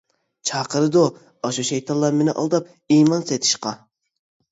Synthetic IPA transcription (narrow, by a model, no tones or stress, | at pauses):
t͡ʃʰɑːqəɾɨd̪o | ɑʃuʃejt̪ʰɑnlˠɑɾmenɪʔɑ̰lˠd̪ɑp̚ | imɑnset̪ʰɪ̥ʃqɑ